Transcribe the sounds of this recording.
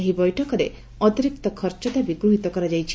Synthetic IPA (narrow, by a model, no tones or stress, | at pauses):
eɦibɔjʈʰɔkɔɾe | ɔt̪iɾik̚t̪ɔkʰɔɾt͡ʃɔt̪abiɡɾuɦit̪ɔkɔɾad͡ʒajt͡ʃʰi̥